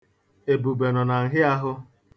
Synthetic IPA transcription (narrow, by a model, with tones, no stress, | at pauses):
e˨bu˨be˨nɔ˨na˨ŋ̩˨ɦɪ˦a˦ɦʊ˦